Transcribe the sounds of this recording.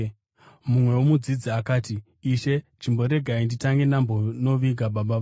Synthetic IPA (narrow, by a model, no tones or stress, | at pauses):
mumwe̞womud͡zid͡ziakaːtiː | ʃe̞t͡ʃimbo̞ɾe̞ɡʱainditaŋɡe̞nambono̞ʋiɡʱaɓaɓaʋ